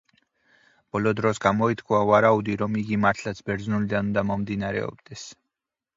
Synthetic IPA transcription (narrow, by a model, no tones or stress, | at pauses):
b̥ɔlɔd̪ɾɔsɡamɔit̪ʰkʰwavaɾaud̪iɾɔmiɡimaɾt̪ʰlat̪sʰbɛɾd̪znulid̪anund̪amɔmd̪inaɾɛ̰ɔ̰bd̪̥ɛs